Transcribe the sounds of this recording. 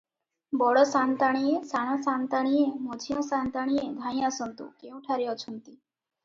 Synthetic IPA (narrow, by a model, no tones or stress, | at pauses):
bɔɽɔsant̪aɽ̃iesaɽ̃asant̪aɽ̃iemod͡ʒʱijɔ̃sant̪aɽ̃ied̪ʱãĩasɔnt̪ṵkeũʈʰaɾiɔt͡ʃʰɔnt̪i